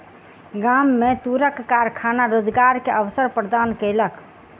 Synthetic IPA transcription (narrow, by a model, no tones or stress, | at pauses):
ɡamːet̪uɾəkːaɾkʰanaɾod͡ʒɡaɾkeʔəʋsəɾpɾəd̪ankələk